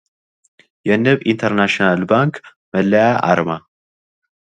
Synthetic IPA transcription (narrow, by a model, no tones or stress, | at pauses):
jɛnːɨβint̪ʰəɾnaʃnalbaŋk | məlːəjaʔa̰ɾma